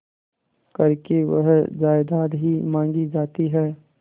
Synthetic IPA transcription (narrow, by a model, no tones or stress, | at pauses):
kɐɾkeʋə̰ɦd͡ʒaːjd̪aːɾɦimãːŋɡid͡ʒaːt̪iɦɛː